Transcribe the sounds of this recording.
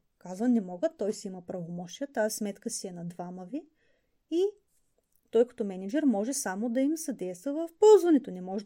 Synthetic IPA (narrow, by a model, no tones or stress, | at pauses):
kazvɐnɛmɔɡət̪ːɔjsiimɐpɾɐvomɔʃiət̪aɛsmɛt̪kəsiɛnɐd̪vaməvi | i | t̪ɔjkɐ̥t̪ɔmɛnɛd͡ʒɛɾmɔʒɛsamod̪ɐimsɐd̪ɛjst̪vəvɐfpɔlˠzvɐnɛt̪onɛmɔʒɛ